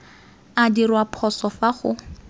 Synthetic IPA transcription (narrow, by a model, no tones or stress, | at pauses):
adirwapʰɔsɔfaχʊ̰